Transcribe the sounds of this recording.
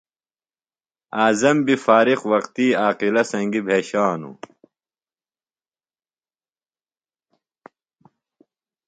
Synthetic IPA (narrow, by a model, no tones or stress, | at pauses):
aːzɐmbifaːɾiqwɐqt̪iːaːqilɐsɐ̃ŋɡibʱeːɕaːnṵ